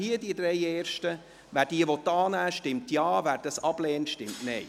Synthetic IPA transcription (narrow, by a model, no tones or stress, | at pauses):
hiədiəd̪ɾɛɪeːɾʃtə | væːɾd̥iəʋɔt̪ːɑːnæːʃtɪmtjɑːvæːɾd̥ɑsɑb̥lɛːntʃtɪmtnɛj